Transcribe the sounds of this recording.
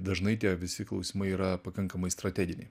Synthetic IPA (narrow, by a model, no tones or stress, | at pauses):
d̪ɐʒnɐɪt̪ʲiɛʋʲɪsʲɪklˠɒ̰ʊsʲimɐɪiːɾɐpɐkɐŋkɐmɐɪst̪ɾɐt̪ʲæɡʲɪnʲɪ̰